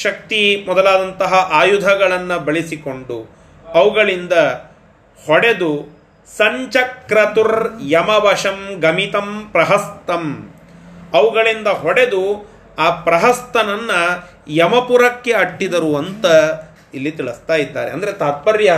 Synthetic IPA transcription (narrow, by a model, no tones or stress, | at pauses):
ʃɐk̚t̪imɔd̪ɐlaːd̪ɐnt̪ɐɦɐʔaːjud̪ʱɐɡɐɭɐnːɐbɐɭisiko̞ɳɖu | ɐʋuɡɐɭind̪ɐ | hɔɽe̞d̪u | sɐɲt͡ʃɐkɾɐt̪uɾjɐmɐbʱɐʂɐmɡɐmit̪ɐmpɾɐɦɐst̪ɐm | ɐʋuɡɐɭind̪ɐɦɔɽe̞d̪u | aːpɾɐɦɐst̪ɐnɐnːɐ | jɐmɐpuɾɐkːe̞ɐʈːid̪ɐɾuɐnt̪ɐ | ilːit̪iɭust̪aːjid̪ːa̰ːɾeɐ̰nd̪ɐɾet̪aːt̪̚pɐɾjɐ